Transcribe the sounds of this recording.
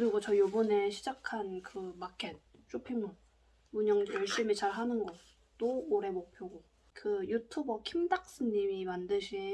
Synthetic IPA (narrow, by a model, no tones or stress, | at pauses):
kɯɾiɡot͡ɕʌjobuneɕʰid͡ʑakʰankɯmakʰet̚ | t͡ɕ͈opʰiŋun | muɲʌŋjʌɭɕ͈imit͡ɕaɭɦanɯnɡʌ | t͈ooɾe̞mok̚pʰjoɡo | kɯjutʰubʌkʰimdak̚s͈ɯɲimimandɯɕʰi